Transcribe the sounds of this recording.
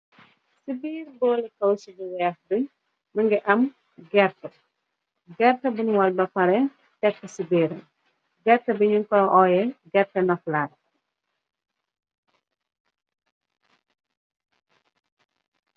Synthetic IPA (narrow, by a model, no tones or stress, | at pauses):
sibiːɾbɔːlkɐwt͡ʃibiwɛxduɲ | məŋɡɛʔɐm | ɡɛrtɐ | ɡɛrtɐbunwɐlbɐpɐɾɛ | tɛkːɐsibiːɾɐ | ɡɛrtɐbiɲuŋkɔʔɔjɛɡɛrtɐnɔflad